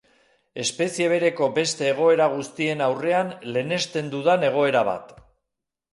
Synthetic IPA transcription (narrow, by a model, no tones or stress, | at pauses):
e̞spe̞sieβe̞ɾe̞ko̞be̞st̪e̞ːɣ̞o̞e̞ɾaɣ̞ust̪ie̞nawre̞anle̞ne̞st̪e̞nd̪uðane̞ɣ̞o̞e̞ɾaβ̞a̰t̪